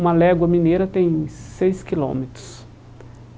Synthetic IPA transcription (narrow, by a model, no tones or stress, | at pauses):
mɐlɛɡwɐminejɾɐt̪ẽj̃sejskilõ̰met̪ɾʊ̥s